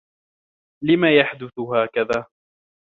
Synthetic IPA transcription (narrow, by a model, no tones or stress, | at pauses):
lɪmaːjaħd̪ʊθʊɦaːkaðaː